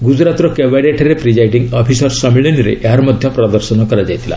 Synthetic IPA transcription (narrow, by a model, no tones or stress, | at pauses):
ɡud͡ʒɾat̪uɾɔkebaɽeʈʰaɾepɾid͡ʒajʈiŋɡɔpʰisɔɾsɔmiɭiniɾḛʔeɦaɾɔmɔd̪ʱjɔpɾɔd̪ɔɾsɔnɔkɔɾad͡ʒajt̪ʰila̰